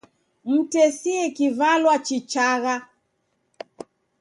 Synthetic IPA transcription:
m̩tɛsiɛkivalwat͡ʃit͡ʃaɣa

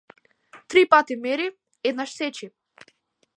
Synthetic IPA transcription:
t̪ɾipat̪imɛɾi | ɛd̪̚naʃsɛt͡ʃi

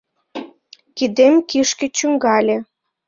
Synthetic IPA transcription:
kid̪emkiʃkĕt͡ɕyŋɡɑlʲĕ

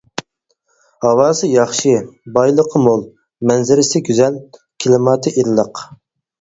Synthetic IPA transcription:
hɑwɑːsɨjɑχʃɨbɑjlˠəqʰəmolˠ | mɛnzɪɾɪsɪɡʲyzɛl | kʲʰilˠɨmɑːt̪ʰɨʔiɾlˠəq

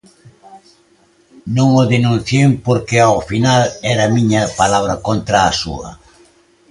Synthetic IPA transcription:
nõŋoðenũn̟θjempoɾkeaofinalɛɾɐmiɲɐpalaβɾɐkont̪ɾaːsṵɐ̰

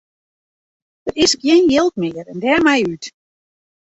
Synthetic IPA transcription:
d̥ərɪskjɪnjɪlˠtmɪːərɛndɛːmɛjyt

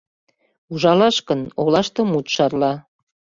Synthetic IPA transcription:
uʒɑlɑʃkənolɑʃt̪ə̆mut̪ʃɑrlɑ

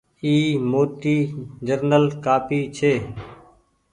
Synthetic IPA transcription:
iːmoːʈiːd͡ʒəɾnəlkaːpiːt͡ʃʰeː

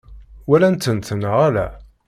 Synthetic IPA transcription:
wælænt̪ːənt̪ənʁælæ̰

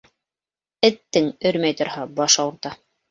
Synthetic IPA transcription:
ɘ̆t̪ːɘŋɵɾmæjt̪ŏɾhɑbɑʃɑw̆ɾt̪ɑ

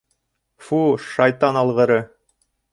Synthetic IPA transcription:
fuʃɑjt̪ɑnɑlˠʁɤ̆ɾɤ

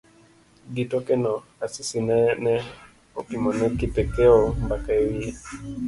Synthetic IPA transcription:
ɡitɔkɛnɔasisinanɛ | ɔkimɔnɛkitɛkɛɔmbakaiwiɛ

